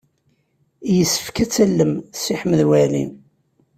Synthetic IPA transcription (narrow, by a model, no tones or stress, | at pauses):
jəsːə̥fkæt͡sːælːəmsiħməðwælḭn